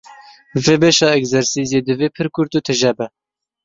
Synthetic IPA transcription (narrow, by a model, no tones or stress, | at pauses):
veːbeʃɑːɛkzɛɾsiːzeːd̪ɨveːpʰɨɾkʰʊɾt̪uːt̪ʰɨʒɛbɛ